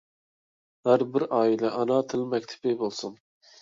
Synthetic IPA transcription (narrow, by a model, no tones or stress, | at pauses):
hæɾbɪɾɑːilɛʔɑnɑt̪ʰɪlmɛk̚ʲt̪ʰɪ̥pɪbolˠsun